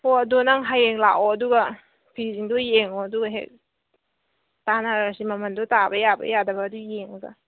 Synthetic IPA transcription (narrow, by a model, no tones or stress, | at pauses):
hoɐdonaŋɦajeŋla̰ʔoɐduɡɐ | pʰiziŋdojeŋoɐduɡɐɦḛk̚ | tanaɾsimɐmɐndɔtabɐjabɐ̰jadɐbɐːdujeŋɐɡɐ̰